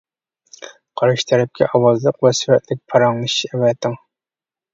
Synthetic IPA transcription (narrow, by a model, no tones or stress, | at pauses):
qʰɑɾʃi̥t̪ʰɛɾɛp̚kʲʰɛ̰ʔɑwɑzlˠəqvɛsywɛt̪lɪk̚ʲpʰɑɾɑŋɨʃɛwɛt̪ʰɪŋ